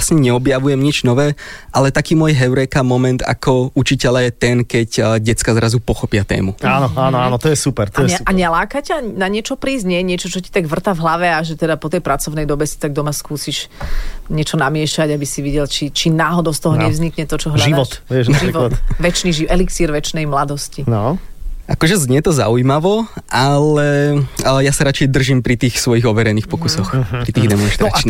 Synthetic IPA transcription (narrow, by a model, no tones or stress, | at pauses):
sɲɛɲɛɔbjaʋujɛmɲid͡ʒnɔʋɛːʔalɛt̪akiːmʊɔjɦɛʊɾɛkamɔmɛnt̪a̰kɔut͡ʃicɛʎajɛt̪ɛnkɛɟɟɛt͡skazɾazupɔxɔpɪat̪ɛ̰ːmuanɔaːnɔaːnɔt̪ɔjɛsupɛɾt̪aɔjɛɛaɲɛlaːkacaanaɲɪɛt͡ʃɔpɾiːzɲɛjɛɲɪɛt͡ʃɔt͡ʃɔci̥t̪aɡʋr̩t̪avɦlaʋɛaʒɛt̪ɛd̪apɔt̪ɛjpɾat͡sɔʊnɛjd̪ɔbɛsi̥t̪aɡ̚d̪ɔmaskuːsiʃ | ɲɪɛt͡ʃɔnamɪɛʃaɟabisiʋiɟɛlt͡ʃit͡ʃinaːɦɔd̪ɔʊst̪ɔɦɔɲɛvzɲikɲɛt̪ɔt͡ʃɔɦlaʒid̪ʋɔt̪ʋɪɛʒʒiɾʋɔt̪ʋɛt͡ʃniʒiʔɛliksiːɾʋɛt͡ʃnɛjmlad̪ɔscin | ʔakɔʒɛzɲɛt̪ɔza̰ujmaʋɔʔalɛ | jasaɾat͡ʃɛjd̪r̩ʒimpɾit̪iːxsʋɔjiɣɔʋɛɾɛniːxpɔkusɔxpɾit̪iːɣd̪ɛmɔnʃt̪ɾat͡ʃni